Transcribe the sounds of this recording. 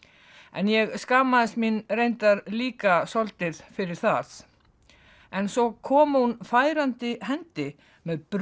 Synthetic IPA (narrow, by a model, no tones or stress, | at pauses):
ɛ̰njɛɣskaːmaðɪst̪minrejnt̪aɾliːkasɔlt̪ɪɾfɪɾɪɾ̥θað | ɛnsɔkʰɔːmhunfaːjɾant̪ɪhɛnt̪ɪ | mɛðpɾ